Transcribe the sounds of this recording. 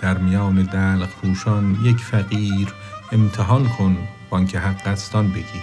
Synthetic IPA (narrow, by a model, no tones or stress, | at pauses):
d̪̥æɾmijɒːned̪ælqpʰuːʃɒnjecʰfæɣiːɾ | emt̪ʰeɦɒːlkʰon | b̥ɒŋcʰeɦæɡːæst̪ɒnbeɡʲiː